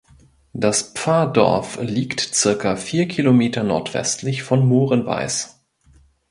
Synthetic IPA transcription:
d̥asp͡faɐdɔ̰ɐfliːktt͡sɪɐkɐfiːɐkʰilomeːtɐnɔ̰ɐtv̥ɛ̰stʰlɪçfɔnmoːʁənva̰ɪs

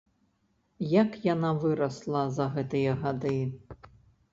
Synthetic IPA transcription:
jakjanavɨɾɐslˠɐzɐɣɛt̪ɨjɐɣad̪ɨ

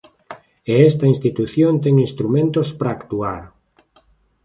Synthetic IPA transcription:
eɛst̪ɐinst̪it̪uθjont̪ɛŋinst̪ɾumẽnt̪ospɾaːkt̪uaɾ

